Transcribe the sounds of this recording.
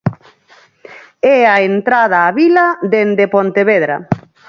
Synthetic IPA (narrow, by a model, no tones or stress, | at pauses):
ɛaent̪ɾað̞aːβilad̪end̪epont̪eβeðɾa̰